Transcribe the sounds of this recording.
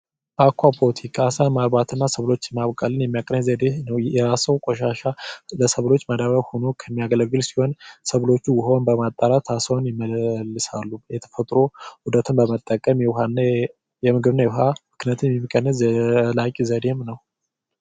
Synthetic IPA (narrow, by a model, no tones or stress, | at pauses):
akʷʰːapʰolət̪ʰikʰasamalbat̪ʰɨnːasəβlo̞t͡ʃːmaβkʼalːɨnjɛmːijakʼɾəɲzəd̪enəwɛɾasəwkʷʼɔʃaʃaləsəβlo̞t͡ʃːməd̪aβəβhonokʰəmːijaɡələɡːɨlsi̥ho̞nsəβlo̞t͡ʃːujɪɦo̞nbəmat̪ʼːaɾat̪ʰasəwnjɪməlːɨsalːujɛt̪ʰə̥fət̪ʼɾo̞hud̪ət̪ʰɨnbəmət̪ʼːəkʼəmjɛwɦanːa | jɛmɨɡɨβɨnajɛwhamɨknjat̪ɨnjɛmimːɨkʼːənːəlakʼizəd̪e̞mnəw